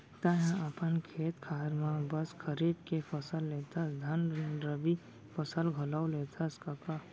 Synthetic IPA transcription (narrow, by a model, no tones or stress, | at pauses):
t̪aɦãəpənkʰeːt̪kʰaːɾmãbəskʰəɾiːbkefəsəlːeːt̪ʰasd̪ʱɐnɾeɾəbi | fəsəlɡʱəlawleːt̪ʰaskɐka